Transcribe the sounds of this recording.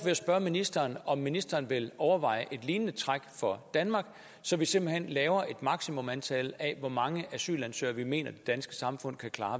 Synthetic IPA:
ʋe̝æsb̥ɶɐminisd̥ɐːnɒ̽mːinisd̥ɐːnʋe̝lɒʊɐʋɑ̈ɪ̰əʔe̝d̥liːnənət͡sʰʁaɡ̥fɒ̽d̥ænmɑ̈ɡ̥ | sɒ̽ʋise̝m̰b̥l̩hen̰lɛːʊɐʔe̝d̥mɑ̈ɡ̥simɔ̽mænt͡sʰɛ̰ːləɛʋɒmɑ̈ŋəʔæsy̰ːlænsø̰ːɐʋime̝̰ːnɐd̥e̝d̥ænsɡ̥ə̥sɑ̈mfɔ̽n̰kʰækʰlɑ̈ː

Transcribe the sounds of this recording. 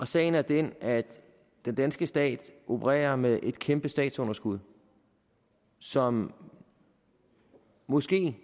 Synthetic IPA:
ʔɒ̽sɛ̰ːɪn̩æɐd̥enæd̥ | d̥end̥ænsɡ̥əsd̥ɛ̰ːd̥ʔo̝pʰəʁɛ̰ːɐmeðˠʔe̝d̥kʰemb̥əsd̥ɛ̰ːd̥sɔ̽nɐsɡ̥uð̞ˠ | sɒ̽m | mːɔ̽sɡ̥e̝̰ː

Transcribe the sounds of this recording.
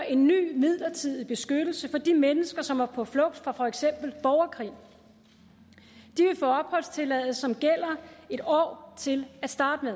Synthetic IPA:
ʔe̝nːy̰ːmið̰ˠlɐt͡sʰið̰ˠib̥e̝sɡ̥ød̥l̩səfɒ̽d̥imenəsɡ̥ɐsɒ̽mæɐpʰɒ̽flɔ̽ɡ̥̚d̥fʁɑ̈fɒ̽eɡ̥sem̰b̥l̩b̥ɒʊɐkʰʁḭː | d̥iʋe̝fɔːɒ̽b̥hɒ̽l̰st͡sʰe̝lɛðˠəsːɒ̽mɡ̥el̰ɐe̝d̥ɒ̰ːt͡sʰe̝læd̥sd̥ɑ̈ːd̥əmeðˠ

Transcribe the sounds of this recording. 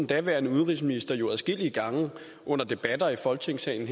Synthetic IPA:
n̩d̥æʋæɐnəuðˠʁis̬minisd̥ɐjo̝æðˠsɡ̥e̝l̰iəɡ̥ɑ̈ŋə | ʔɔ̽n̰ɐd̥e̝b̥æd̥ɐifɒ̽lt͡sʰe̝ŋ̰sɛ̰ɪn̩h

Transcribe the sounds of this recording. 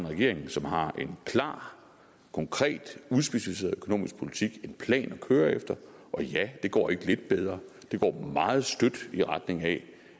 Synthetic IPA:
enʁɛɡe̝ɐ̰eŋ̩sɒ̽mɦɑ̈ʔe̝nkʰlɑ̰̈ː | kʰɒ̽ŋkʰʁɛ̰ːd̥uðˠsb̥e̝ɕæfise̝̰ɐðˠø̥kʰono̰ːmisɡ̥pʰo̝lit͡sʰiɡ̥e̝npʰlɛ̰ːnɒ̽kʰøːɐefd̥ɐʔɒ̽jæd̥e̝ɡ̥ɒ̰ːe̝ɡ̥əle̝d̥̚b̥eð̞ˠʁɐː | d̥e̝ɡ̥ɒ̰ːmɑ̈ːð̞̩ˠsd̥ød̥iʁad̥ne̝ŋɛ

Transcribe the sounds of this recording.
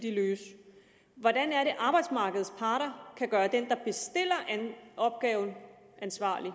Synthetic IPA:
d̥iløːs | ʋɒdænæɐɾe̝ʔɑ̈ːb̥ɑ̈ɪd̥smɑ̈ːɡ̥əð̩ˠspʰɑ̈ːɾ̥ɐkʰæɡ̥ɶːɐd̥end̥ɑ̈b̥e̝sd̥e̝l̰ɐʔænɒ̽b̥̚ɡ̥ɛːʊn̩ | ʔænsʋɑ̰̈ːli

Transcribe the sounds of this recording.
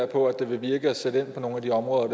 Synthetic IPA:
ɐpʰɒ̽æd̥e̝ʋe̝ʋiɐɡ̥əæsed̥əe̝n̰pʰɒ̽no̝ːn̩æd̥iɒ̽mʁɔːðˠɐd̥

